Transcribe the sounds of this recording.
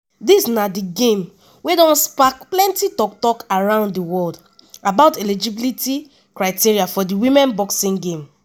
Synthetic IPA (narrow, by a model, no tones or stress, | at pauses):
disnadiɡẽm | wedɔ̃nspak̚plɛ̃ntitɔk̚tɔkaɹãʊ̃nddiwɔld | abaʊtɛlid͡ʒibiliti | kɹaɪtiɹiafɔdiwĩmɛ̃nbɔksĩŋɡẽm